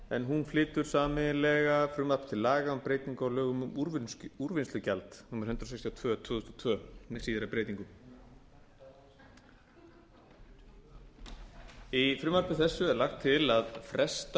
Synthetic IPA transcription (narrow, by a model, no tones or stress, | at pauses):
ɛnɦunflɪːt̪ʏɾ̥saːmɪlɛːɣafɾʏmaɾpt̪ʰɪlːaːɣaʏmpɾeːjt̪iŋkawlœːɣʏmʏmuɾvɪnst̪ʏcalt̪hunvaɾhʏnt̪ɾasɛjkst̪ʰjɔt̪ʰvœːt̪ʰvʏːðʏst̪ɔ̥t̪ʰvœːnɛsiːðɪɾapɾejt̪iŋkʏm | ifɾʏmaɾpɪθɛsːʏɛɾlaxt̪ʰːɪlaðfɾɛst̪